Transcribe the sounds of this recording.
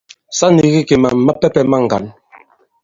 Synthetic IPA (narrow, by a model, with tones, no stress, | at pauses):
sa˦ni˨ɣi˦ke˨ma˨m˨ma˦pɛ˦pɛ˦ma˦ŋ̩˨ɡa̰˨n